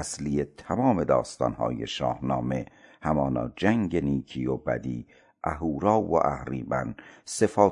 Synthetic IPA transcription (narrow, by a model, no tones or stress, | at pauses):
æslijet̪ʰæmɒːme̞d̪ɒːst̪ɒ̰ːnhɒ̰ːje̞̰ʃɒːhnɒːme̞hæmɒːnɒ̰ːd͡ʒæŋɟeniːkʰiːobæ̰d̪iː | ʔæɦuːɾɒːwo̰ʔæ̰hɾiːbænse̞fɒː